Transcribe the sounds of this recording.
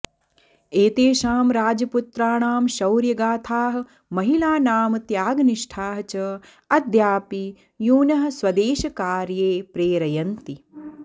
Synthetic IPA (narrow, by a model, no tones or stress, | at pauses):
eːt̪eːʃaːmɾaːd͡ʒɐput̪ɾaːɳaːmʃɐwɾjɐɡaːt̪ʰaːɦɐ̆ | mɐɦilaːnaːmt̪jaːɡniʂʈʰaːɦɐt͡ʃɐ | ɐd̪ʱjaːpi | juːnɐɦɐ̆swɐd̪eːʃɐkaːɾjeːpɾeːɾɐjɐnt̪i